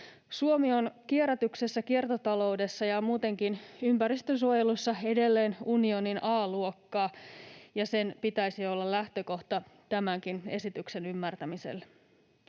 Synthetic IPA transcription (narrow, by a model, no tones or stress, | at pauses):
suomionkieɾæt̪ykse̞sːækie̞rt̪ot̪ɑlo̞wde̞sːɑjɑmuːt̪e̞ŋkinympæɾist̪ønsuojelusːɑe̞de̞lːe̞ːnunioninʔɑːluokːɑːjɑse̞npit̪æisio̞lːɑlæht̪ø̞ko̞ht̪ɑt̪æmæŋkine̞sit̪ykse̞nymːært̪æmisḛl